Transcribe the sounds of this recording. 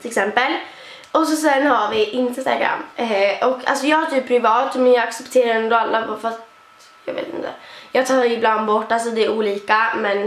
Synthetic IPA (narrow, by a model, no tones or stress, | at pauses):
t̪ʰɪlɛksɛmpəl | ʔɔs̬ɔsɛnhaɾvɪʔɪnst̪a̰ɡɾa̰mːʔɔkːa̰lsɔjɑːɡaʈ̪ʰyːpʰːɾɪvɑːt̪mɛnjɑːɡaksɛpt̪ʰeːɾaɾɛnd̪ɔalːabɑɾfat̪ | jɑːɡvḛːt̪ɪ̰nt̪ːəjɑːɡt̪ʰɑːɾɪbland̪bɔʈːals̬ɔd̪ɛæɾuːliːkamɛn